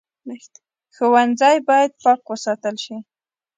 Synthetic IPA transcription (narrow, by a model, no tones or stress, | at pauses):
xəwanzɑjbɑjad̪̚pɑkwəsɑt̪əlʃi